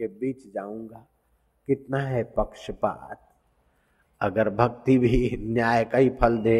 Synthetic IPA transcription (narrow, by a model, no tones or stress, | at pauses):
kebiːt͡ʃd͡ʒaːũːŋɡa | kɪt̪naɦɛpɐkʃəpa̰ːt̪̚ | ɐɡəɾbʱɐɡt̪ibʱinjaːjkaɦipʰəld̪eː